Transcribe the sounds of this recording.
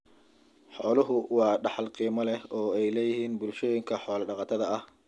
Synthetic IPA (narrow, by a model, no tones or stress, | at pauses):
ħɔːlʊɦʊwɑːɖɑħɑlqiːmɐlɛɔːɛjlɛːjɪɦiːnbʊlʃɔːjɪŋkʰɐħɔːlɐɖɑqɑt̪ʰɐðɐɐh